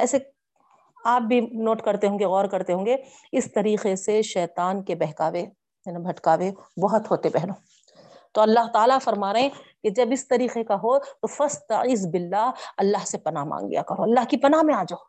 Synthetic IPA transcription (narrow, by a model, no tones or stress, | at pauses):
ɛːse | aːp̚bʱinoːʈkɐɾt̪eɦõːŋɡeɣɔːɾkɐɾt̪eɦõːŋɡe | ɪst̪ɐɾiːqeseʃɛːt̪aːnkebɛɦkaːʋe | ɐnĩbʱɐʈkaːʋebɐɦʊt̪ɦoːt̪epɛɦnoː | t̪oɐlːaɦt̪aːlafɐɾmaːɾɐɦɛ̃ked͡ʒɐbɪst̪ɐɾiːqekaɦot̪ofɐst̪ɐɪːzbɪlːaːɦɐlːaːɦsepɐna̰ɦmã̰ːŋɡɡɐ̰ja̰kɐɾoɐlːaːɦkipɐnaɦmẽaːd͡ʒoː